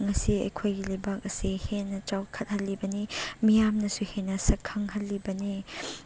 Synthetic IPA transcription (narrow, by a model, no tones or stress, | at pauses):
ŋɐsiɐ̰jkʰojɡilɐjbak̚ɐsihenːɐt͡ʃawkʰɐt̚hɐlːibɐnimijamnɐsuhenɐsɐkʰːɐŋhɐlːibɐni